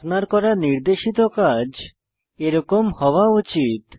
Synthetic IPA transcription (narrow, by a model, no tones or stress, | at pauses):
naɾkɔɾaniɾd̪eʃit̪okad͡ʑ | eɾɔkomhɔwaut͡ɕit̪